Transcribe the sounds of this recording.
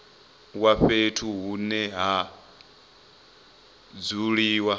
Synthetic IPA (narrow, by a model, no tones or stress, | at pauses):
waɸetʰuɦunɛɦa | d͡zuɺiːwa